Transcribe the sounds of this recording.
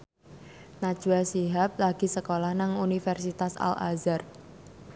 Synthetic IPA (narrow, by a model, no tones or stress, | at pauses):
nḁʒ̥uasiɦap̚laɡ̥i̤səkolahnaŋunifɛrsit̪asa̰lʔa̰zar